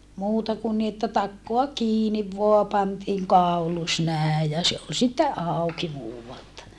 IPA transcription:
muːtɑ kun ni etːæ tɑkːoɑ kiːniʋ ʋoɑ pɑntiːŋ kɑˑulus næˑe jɑ se ol sitːe ʔɑˑuki muːʋɑltɑ

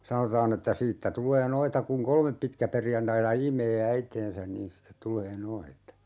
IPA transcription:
sɑnotɑːn etːæ siːtːæ tulˑeː noitɑ kuŋ kolmep pitkæperjɑntɑitɑ imˑeː æiteːnsæn niːn sĭtet tulˑeː noitɑ

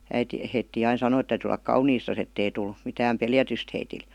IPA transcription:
æiti heitːiː ɑin sɑnoi et tæytyː olˑɑk kɑuniːstɑs etːei tul mitæːm peljætyst heitil

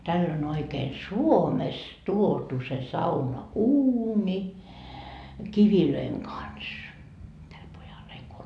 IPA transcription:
tælː on oikeːn suomest tuotu se sɑunɑuːni kiʋiløiŋ kɑns tæl pojɑl heil ko

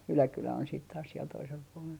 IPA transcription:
ylækylæ on siːt tɑːs siel toisel puolel

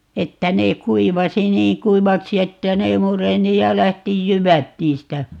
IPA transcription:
etːæ neː kuiʋɑsi niːŋ kuiʋɑksi etːæ ne mureni jɑ læhti jyʋæt niːstæ

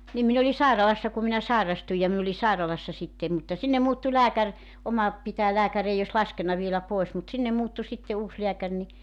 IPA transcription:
nim min oli sɑˑirɑlɑsːɑ ku minæ sɑˑerɑstuj jɑ min oli sɑˑirɑlɑsːɑ sitːe mutːɑ sinːem muːtːu læːkær omɑ pitæː læːkær ei os lɑskenːɑ ʋielæ poes mut sinːem muːtːu sitːe uːs leækær ni

